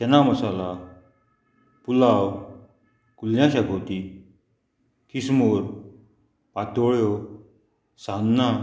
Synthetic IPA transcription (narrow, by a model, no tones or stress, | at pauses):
ɕɛnaməsala | pulaw | kuljãɕaɡʱot̪i | kismoɾ | pat̪oɭjo | sanːa